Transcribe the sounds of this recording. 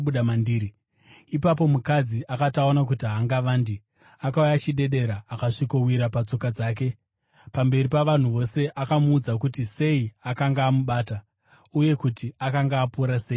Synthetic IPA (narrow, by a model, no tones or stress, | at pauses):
uɗamandiːɾi | ipap̬o̞mukad͡ziʔakataonak̬utiɦaŋɡaʋaːndi | akaujat͡ʃiɗe̞ɗe̞ɾaːkaʂikowiɾapat͡so̞kad͡zaːk̬e̞ | pambe̞ripaʋan̤uʋo̞se̞ʔakamuːd͡zak̬utise̞iakaŋɡaːmuɓaːta | uje̞kutiakaŋɡaːpuːɾase̞ːi